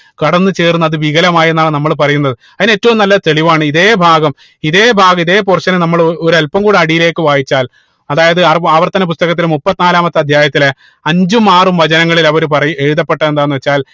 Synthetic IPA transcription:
kɐɽɐnːɨt͡ɕe̞ːrunːɐðɨʋiɣɐlɐmaːjenːaːɳnɐmːɐɭp̬ɐrɐjunːɐðɨ | ɐðineːtːɐʋumnɐlːɐt̪e̞ɭiʋaːɳɨiðe̞ːbʱaːɡɐm | iðe̞ːbʱaːɡɐmiðe̞ːp̬urɕɐnɨnɐmːɐɭoɾɐlpɐmkuːɽɨɐɽijile̞ːkːɨʋaːjit͡ɕːaːl | ɐðaːjɐðɨɐrɐʋɐrt̪ɐnːɐp̬ust̪ɐɣɐt̪̬ːilmupːɐt̪ːinaːlaːmɐt̪ːɨɐd̪ʱjaːjɐt̪ːile | ɐɲd͡ʑumaːrumʋɐd͡ʑɐnɐŋːɐɭilɐʋɐɾupɐrɐjueɻiðɐpːeʈːɐend̪aːnːɨʋɐt͡ɕːaːl

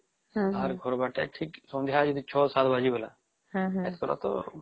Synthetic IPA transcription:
aɾɡʱɔɾbaʈɛ̰ʈʰiksɔ̃nd̪ʱjad͡ʒid̪it͡ʃʰɔsat̪bad͡ʒibəla̰ | ɛt̪kɔɾa̰t̪ɔ̰

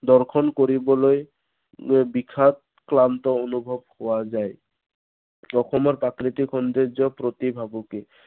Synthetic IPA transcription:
d̪ɔɹkʰɔnkoɹibɔloj | bikʰat̚ | klantɔonubʱɔbhowazaj | ɔxɔmɔɹpakɾit̪ikʰɔnd̪ed͡ʒɔpɾot̪ibʱabuke

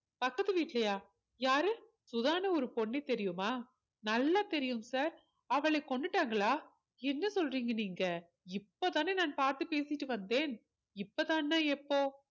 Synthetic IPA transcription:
pɐkːɐðɯʋiːʈlɐjaː | jaːɾɯ | sʊðaːnɐɔɾɯpɔɳːɛɪt̪ɛɾɪjɯmaː | nɐlːat̪ɛɾɪjɯmsaːɾ | ɐʋɐɭɐɪkɔɳɖɯʈːaːŋɡɐɭaː | ɛnːɐsɔlriːŋɡɐniːŋɡɐ | ɪpːot̪aːneːnaːnpaːɾt̪ɯpeːsɪʈːɯʋɐnd̪eːn | ɪpːot̪ãːnːãːɛpːoː

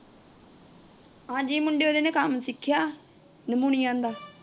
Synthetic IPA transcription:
ãːd͡ʒiːmʊɳɖeoːd̪eːnẽːkəmsɪkʰːjaː | nəmuːñiːãːnd̪aː

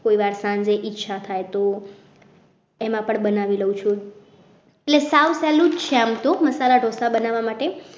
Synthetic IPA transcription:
koiʋaɾsãɲd͡ʒeʔitːʃʰat̪ʰajt̪o | emãpəɳbənaʋiləut͡ʃʰũ | eʈlesaʋsɛlut͡ʃʰeamt̪oməsalaɖʱosabənaʋamaʈe

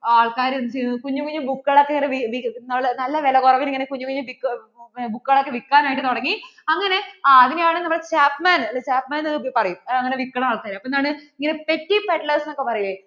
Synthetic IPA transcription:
aːɭkaːɾunt͡ɕkuɲːukuɲːubukːɣɐɭokːeŋɐneʋiʋinɐmːɭnɐlːɐʋelɐkurɐʋiniŋːɐnekuɲːumkuɲːumbikː | bukːɨɣɐɭokːe̞ʋikːaːnaːjiʈːɨt̪oɽɐŋːiɐŋːɐne̞ːðinejaːɳɨnɐmːɐɭt͡ɕaːpmaːnɐlt͡ɕaːpmaːnɐɨpɐrɐjumɐŋːɐne̞ʋikːɐɳɐmaːɭkaːɾmɐpːoːenːaːɳɨiŋːɐnepetːipeʈlɐːsnokːe̞pɐrɐjilːe

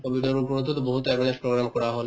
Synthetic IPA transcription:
kobit̪oɾupoɾot̪ʰːot̪oboɦut̪oɛbonespɾoɡɾamkɔɾaɦole

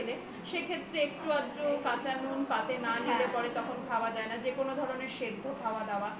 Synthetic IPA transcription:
le | ʃekʰet̪ːɾeek̚ʈuad̪ɾokat͡ɕanunpat̪enanilepɔɾet̪ɔkʰonkʰaoad͡ʑaenad͡ʑekonod̪ʱɔɾoneɾʃed̪ʱːokʰaoad̪aoa

